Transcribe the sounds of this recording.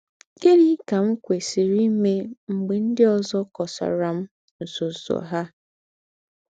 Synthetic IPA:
ɡe˦ɾi˦ka˨m̩˦kʷe˨si˨ɾi˦me˦ŋ͡m̩˨ɡ͡be˨n̩˦dɪ˦ɔ˨zɔ˦kɔ˨sa̰˨ɾa˨m̩˦ | n̩˨so˨zɔ̰˨ɦa˦

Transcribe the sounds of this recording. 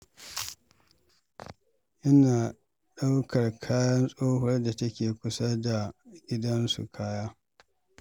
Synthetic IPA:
ʔɪ˦naː˨ | ɗa˦wkɐ˨rkʰaː˦jɐ˦nsʼoː˦ɦʊ˦rda˨tɐ˦kʲeː˨kʷʊ˦sa˦da˨ɡʲɪ˦dɐ˦nsṵ˨kʰaː˦jaː˦

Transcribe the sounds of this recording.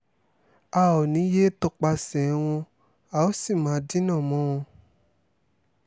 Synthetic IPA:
a˧o˨nĩ˨˦je˦to˧k͡pa˧sɛ˨˦w̃ɔ̃˧ | a˨o˦si˦˨mãː˨˦di˦nã˦˨mɔ̃˨˦w̃ɔ̃˧

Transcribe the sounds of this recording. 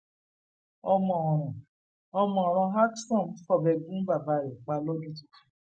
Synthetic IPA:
ɔ˧mɔ̃˨ɾ̃ã˨ | ɔ˧mɔ̃˨ɔ̃˨ɾ̃ã˧ɦa˦ksɔ̃˦˨˦fɔ˦˨bɛ˧ɡũ˦ba˦˨ba˧˦˨ɾi˨k͡pa˧lɔ˦dũ˦˨ti˦i˨

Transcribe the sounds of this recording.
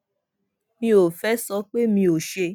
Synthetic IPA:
mĩ˦o˨fɛ˨˦sɔ˧k͡pe˦mĩ˧o˨ʃe˧

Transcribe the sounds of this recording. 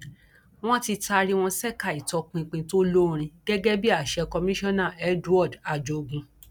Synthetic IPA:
w̃ɔ̃˦ti˧ta˧ɾi˦w̃ɔ̃˧sɛ˦˨ka˨i˨tɔ˧k͡pĩ˧k͡pĩ˧to˦lõ˦˧ɾ̃ĩ˧ɡ̥ɛ˦ɡɛ˦bi˦a˦˨ʃɛ˧kɔ˧mĩ˦ʃɔ˦˨nã˦˨ɛ˦du˦ɔ˦˨da˨d͡ʒo˨ɡũ˧

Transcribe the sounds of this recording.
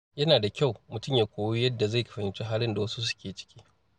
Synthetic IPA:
jɐ˦naː˨da˨kʲa˦˨wmʊ˨tʊ˦mjaː˨kʷoː˨wi˦jɐ˦dːa˨za˦˨kɐ̥˨ɸɐ˨jɪ˨t͡ʃi˦ɦaː˦lɪ˦nda˨wɐ˦su˦s̬ʊ̥˦kʲeː˨t͡ʃɪ̥˦kʲiː˦

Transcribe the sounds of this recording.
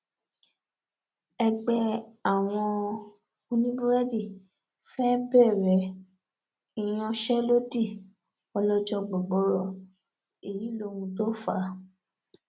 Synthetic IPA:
ɛ˧ɡ͡bɛ˧a˨w̃ɔ̃˧ | u˧nĩ˦bɾɛ˦di˦˨ | fɛ˦bɛ˦˨ɾɛ˨ | i˨j̃ɔ̃˧ʃɛ˦lo˦di˦˨ | ɔ˧lɔ˧d͡ʒɔ˧ɡ͡bɔ˨ɡ͡bɔ˨˦ɾɔ˨ | e˨ji˨˦lo˧˦hũ˧to˦fa˨˦

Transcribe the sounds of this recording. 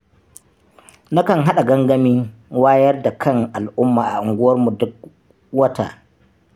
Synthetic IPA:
na˦kɐ˨ŋɦa˦ɗa˨ɡɐ˦ŋɡɐ˦mi˦ŋwaː˦jɐ˦rda˨kʰɐ˦ŋʔa˨lʔʊ˦mːaː˨ʔa˨ʔʊ˨ŋɡʷʊ˦wɐ˦rmu˨dʊ˦k̚ | wɐ˦ta̰ː˨

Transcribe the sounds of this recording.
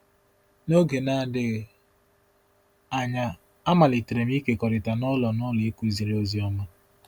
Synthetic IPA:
no˦ɡe˨na˦˨dɪ˦ɣ | a˨ɲa˨ | a˦ma˨li˨te˨ɾe˨m˦i˦ke˨kɔ˨ɾɪ˨ta˨nɔ˦lɔ˨nɔ˦li˨˦ku˦i˦zi˨ɾe˦o˦zi˨˦ɔ˦ma˦

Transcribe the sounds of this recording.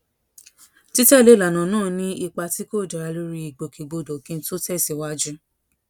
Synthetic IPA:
ti˦tɛ˦˨le˦˨la˨nã˨˦nãː˦˨nĩ˦i˧k͡pa˧ti˦ko˦˨d͡ʒa˨ɾa˧lo˧ɾi˧i˨ɡ͡bo˨kʰi˨ɡ͡bo˧˨do˨kĩ˧n̩˦to˦tɛ˦˨si˨wa˦d͡ʒu˦

